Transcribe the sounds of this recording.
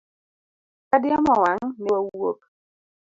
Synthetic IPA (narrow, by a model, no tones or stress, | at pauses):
kadjɔmɔwaŋnɛwawok̚